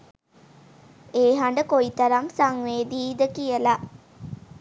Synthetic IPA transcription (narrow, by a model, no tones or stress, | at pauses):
eːɦaɳɖəkoit̪ɐɾamsaŋʋeːd̪iːd̪əkijəla